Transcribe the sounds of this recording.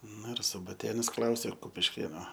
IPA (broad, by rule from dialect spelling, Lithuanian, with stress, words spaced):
ˈnʊ ɪr sʊbɐˈtʲeːnɐs ˈklˠɐʊsʲeː kʊpʲɪʃʲˈkʲeːnoː